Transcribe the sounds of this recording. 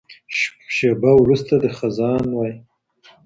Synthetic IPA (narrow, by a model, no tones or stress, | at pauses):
ʃebawɾust̪ad̪əxazɑnwɑj